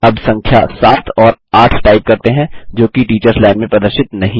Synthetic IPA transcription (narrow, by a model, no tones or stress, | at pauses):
ɐbsɐ̃ŋkʰjasaːt̪ʰɔːɾaːʈʰʈaːɪp̚kɐɾt̪eɦɛ̃d͡ʒoːkiʈiːt͡ʃəɾslaːɪnmẽpɾɐd̪əɾʃɪt̪nɐɦĩ